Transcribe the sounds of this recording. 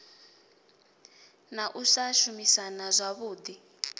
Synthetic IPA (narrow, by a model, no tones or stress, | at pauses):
naʔusaʃumisanazʷaβuːd̪i